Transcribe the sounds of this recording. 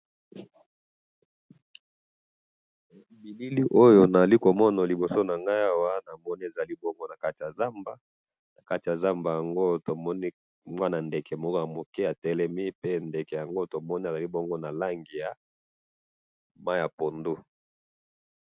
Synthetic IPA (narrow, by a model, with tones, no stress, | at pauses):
bi˨li˦li˦ʔo˦jo˦na˨li˦ko˨mɔ˦na˨li˨bo˨so˦na˨ŋɡa˦ja˦wa˦na˨mɔ˦ni˦e˨za˨li˦bɔ˦ŋɡo˦na˨ka˦ti˨ja˨za˦mba˦ | na˨ka˦ti˨ja˨za˦mba˨ja˨ŋɡo˦to˨mɔ˦ni˦ | mwa˦na˨ndɛ˨kɛ˨m˦ja˨mo˨kɛ˦a˨tɛ˨lɛ˦mi˦pe˦ndɛ˨kɛ˨ja˨ŋɡo˦to˨mɔ˦ni˦e˨za˨li˦bɔ˦ŋɡo˦na˨la˦ŋɡi˨ja˨ | ma˦ja˨po˨ndu˦